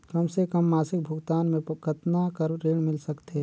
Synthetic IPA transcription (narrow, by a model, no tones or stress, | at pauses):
kɐmsekɐmːaːsɪk̚bʱʊɡt̪aːnmẽkʰət̪nakɐɾɾeːɽmɪlsɐkt̪e